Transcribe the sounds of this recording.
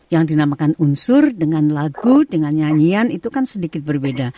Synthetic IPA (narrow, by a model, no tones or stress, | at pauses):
jaŋdinamakanunsʊrdəŋanlaɡudəŋanɲaɲianit̪ukansədikɪt̪̚bərbeda